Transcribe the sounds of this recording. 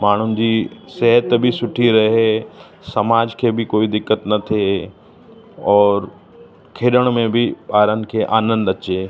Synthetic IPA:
maːɳ̤ʊnɪ̆d͡ʑisɛɦət̪bʱisʊʈʰiɾɐɦɦe | sɐmaːd͡ʑkʰebʱɪkoːid̪ɪkːət̪nɐt̪ʰe | ɔːɾ | kʰeːɗəɽ̃mẽbʱiɓaːɾənɪ̆kʰeʔaːnə̃nd̪ɐt͡ɕeː

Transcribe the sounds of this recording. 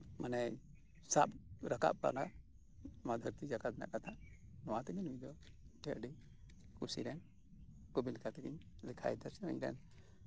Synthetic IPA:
manɛ | sapɾaka̰ʔ̚pa̰naʔ | mad̪ʱəɾt̪id͡ʒakad̪ɛna̰ʔkat̪ʰanɔwat̪ɛkiɲujd̪ɔʈɛʔɖi | kusḭɾɛn | kubilikʰat̪ɛkiɲ | lɛkʰa̰jd̪aɾsɛə̰ɲɾɛ̰n

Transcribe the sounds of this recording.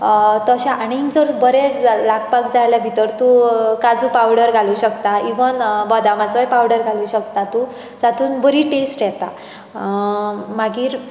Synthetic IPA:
t̪əɕaʔaɽ̃iŋd͡zəɾbəɾet͡slaɡpak̚d͡zajlabʱit̪əɾt̪ukad͡zũpawɽəɾɡʱaluːɕəkt̪aiʋənbɔd̪amat͡səjpawɽəɾɡʱaluːɕəkt̪at̪u | d͡zat̪uːnbəɾiːʈesʈjɛt̪a | maɡiːɾ

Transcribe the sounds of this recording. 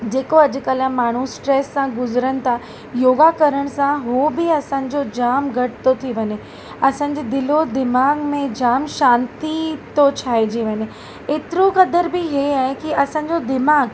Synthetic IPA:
d͡ʑeːkoɐd͡ʑʊ̆kɐlamaːɳ̤usʈɾeːsːãɡʊzɾəñɪ̆t̪ʰa | joːɡakɐɾəɽ̃̆sãɦobɪɐsãːɲ̆d͡ʑod͡ʑaːmɡʱɐʈɪ̥t̪ot̪ʰiʋɐɲe | ɐsãːɲ̆d͡ʑed̪ɪlod̪ɪmaːɡmẽd͡ʑaːmʃaːnt̪it̪ot͡ɕʰaːɦed͡ʑiʋɐɲe | eːt̪ɪɾokɐd̪əɾbɪɦeaːɦekiɐsãːɲ̆d͡ʑod̪ɪmaːɡ

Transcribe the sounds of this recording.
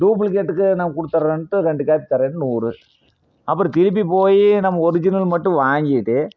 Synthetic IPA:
ɖuːp̬ɯlk̬eːʈːɯkːɯnamɐkʊɽɯt̪ːɐɾɐɐnʈːɯɾɛɳɖɯkaːpit̪ɐɾeɳɖnuːɾɯ | ɐpːɯɾɔ̃t̪ɪlɪp̬ːipoːjinɐmːɐɔɾɪd͡ʒɪnɐlmɐʈːɯ̃ʋaːŋɡɪʈːɯ

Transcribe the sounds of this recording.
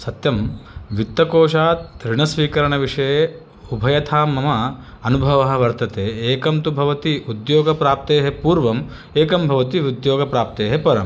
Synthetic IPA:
sɐt̪jɐmʋit̪ːɐkoːʂaːt̪ɾiɳɐsʋiːkɐɾɐɳɐʋiʂɐjeː | ubʱɐjɐt̪ʰaːmːɐmɐ | ɐnubʱɐʋɐɦɐ̆ʋɐɾt̪ɐt̪eːeːkɐmt̪ubʱɐʋɐt̪iʔud̪joːɡɐpɾaːp̚t̪eːɦepuːɾʋɐm | eːkɐmbʱɐʋɐt̪iud̪joːɡɐpɾaːp̚t̪eːɦepɐɾɐm

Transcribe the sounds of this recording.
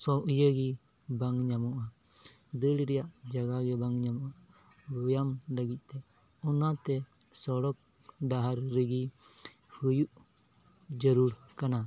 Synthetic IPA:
sɔʔjəɡi | baŋɲamɔʔa | d̪əɽiɾɛjaʔd͡ʒaɡaɡɛbaŋɲamɔʔa | bɔjamləɡit̪̚ˀt̪ɛ | ɔnat̪ɛsɔɽɔk̚ | ɖaɦaɾɾəɡi | hujuʔ | d͡ʒəɾuɾ | kana

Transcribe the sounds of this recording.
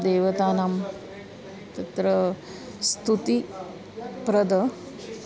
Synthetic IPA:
d̪eːʋɐt̪aːnaːm | t̪ɐt̪ɾɐ | st̪ʰut̪i | pɾɐd̪ɐ

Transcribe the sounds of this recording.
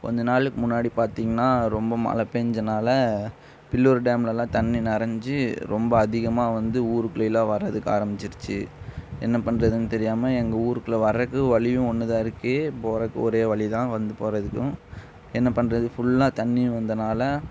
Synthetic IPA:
kɔ̰ɲd͡ʒɐnaːɭɯkːɯmʊnːaːɽipaːɾt̪iːŋɡɐnaːɾɔmbɐmɐ̰lɐpeɲd͡ʒɐnaːlɐ | pɪlːuːɾɖeːmlɐlãːt̪ɐnːinɛɾɐɲd͡ʒɯɾɔmbɐːðɪɣɐmaːʋɐnd̪ɯuːɾɯkːlɐɪlːãːʋɐɾɐðɯkːa̰ːɾɐmbɪt͡ʃːɪɾɯt͡ʃːɯ̰ɛnːɐpɐɳɾɐðɯnɯt̪ɛɾɪjaːmɐɛŋɡɐuːɾɯkːɯlɐʋɐɾɐkːɯ̃ʋɐɭɪjʊ̃ɔnːɯðãːɪɾɯkːeːpoːɾɐkːɯ̰̃ɔɾeːʋɐɭɪt̪ãːʋɐnd̪ɯpoːɾɐðɯkːʊ̃ | ɛnːɐpɐɳɾɐðɯfʊɭːãːt̪ɐnːiʋɐnd̪ɐnaːlɐ

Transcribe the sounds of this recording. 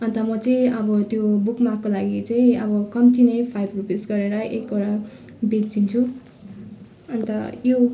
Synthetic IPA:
ʌnt̪ʌmʌt͡sʌĩʌbʌt̪jobukmakːolaɡit͡sʌĩʌbʌkʌmt͡sinʌjpʰajbrupisɡʌɾeɾʌʔekoɾa | bid͡zt͡sint͡sʰu | ʌnt̪ʌjo

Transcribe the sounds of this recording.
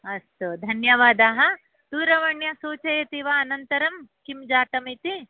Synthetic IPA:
ɐst̪ud̪ʱɐnjɐʋaːd̪aːɦɐ | d̪̥uːɾɐʋɐɳjɐsoːt͡ʃɐjɐt̪iʋɐːnɐnt̪ɐɾɐmkimd͡ʒaːt̪ɐmit̪i

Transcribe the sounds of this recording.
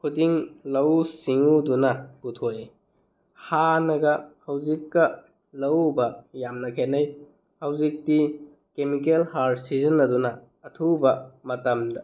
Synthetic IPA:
kʰudiŋlɐwsiŋudunɐɡutʰoje | hanɐɡɐhɐwzikːɐ | lɐwbɐjamnɐkʰenɐj | hɐwzik̚ti | kemikelhaɾsizɐnːɐdunɐː | tʰubɐmɐtɐmdɐ

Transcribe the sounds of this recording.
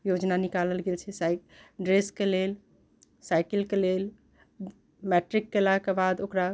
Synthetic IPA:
jod͡ʒnanikaləlɡelt͡ʃʰɛsaɖɾeskelel | saɪkəlkelel | mɛʈɾikːelakebad̪okɾa

